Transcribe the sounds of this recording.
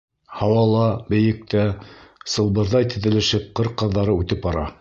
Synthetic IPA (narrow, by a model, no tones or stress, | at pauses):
hɑwɑlˠɑbɘ̆jɘ̆k̚t̪æsɤ̆lˠbɤ̆ɾðɑjt̪ɘ̆ðɘ̆lɘ̆ʃɘp̚qɤɾqɤ̆ðːɑɾɤʉt̪ɘpɑɾɑ